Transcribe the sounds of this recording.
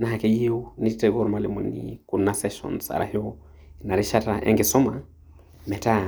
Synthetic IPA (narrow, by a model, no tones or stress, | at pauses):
naɦakɛjiunitɛɡɔɾmalimunḭkunasɛʃɔ̰nsa̰ɾa̰hiɔ | naɾiʃataʔɛ̰ŋɡɛsɔma | mɛta